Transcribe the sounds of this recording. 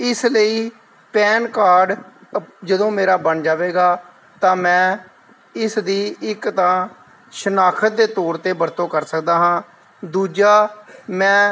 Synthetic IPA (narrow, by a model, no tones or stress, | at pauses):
ɪsləiː | pɛːnkaːɾɖ | d͡ʒəd̪õːmeːɾaːbəɳd͡ʒaːʋeːɡaː | t̪ãːmɛ̃ː | ɪsd̪iːɪkt̪ãː | ʃənaːkʰət̪̚d̪eːt̪ɔːɾt̪eːbəɾt̪õːkəɾsəkd̪aːɦãː | d̪uːd͡ʒaːmɛ̃ː